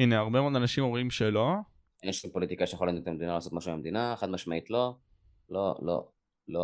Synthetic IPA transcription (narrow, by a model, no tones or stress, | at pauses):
ineaʁbe̞mood̪anaʃimomimʃelo̞ | ʔenʃumpo̞lit̪ikaʃejχolanuet̪amed̪inalaːso̞t̪maʃumeamd̪inaeχad̪maʃmait̪lo̞ | lo̰lo̰ | lo